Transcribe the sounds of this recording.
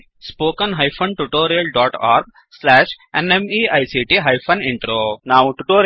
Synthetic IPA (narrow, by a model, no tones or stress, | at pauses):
spoːkɐnɦɐjpʰɐnʈuʈoːɾijɐlɖaːʈaːɾɡ̚ | slɛːʃ | enemiːɐjsiːʈiɦɐjpʰɐniɳʈɾoːnaːʋʈuʈoːɾ